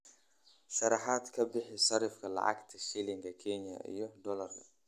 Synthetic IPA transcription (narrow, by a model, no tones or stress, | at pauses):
ʃɑɾɑħaːd̪kʰɐbɪħɪsɐɾɪfkʰɐlɑ̰ʕɑ̰ɡt̪ʰɐʃilɪŋkʰɐkʰɛnjɐ̰ʔḭjɔd̪ɔlɐrkʰɐ